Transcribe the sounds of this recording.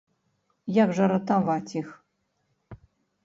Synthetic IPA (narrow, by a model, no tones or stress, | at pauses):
jakʐɐɾɐt̪avat͡sʲix